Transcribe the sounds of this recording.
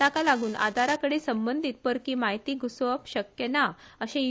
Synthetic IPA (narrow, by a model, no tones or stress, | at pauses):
t̪akalaɡuːnʔa̰d̪ʱaɾakəɽiːsəmbənd̪ʱit̪̚pəɾkiːmaɦjt̪iːɡusʋəpɕəkjenaəɕẽ